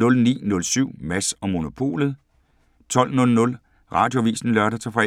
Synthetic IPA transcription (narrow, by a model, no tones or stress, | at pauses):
ɔ̽lnḭːnɔ̽lsyʊ̰mæsɒ̽mo̝no̝pʰo̝̰ːlð̞̩ˠ | t͡sʰɒ̽l̰nɔ̽lnɔ̽l | ʁɑ̈ːd̥jo̝ʋḭːsn̩lɶɐɾɐt͡sʰefɒe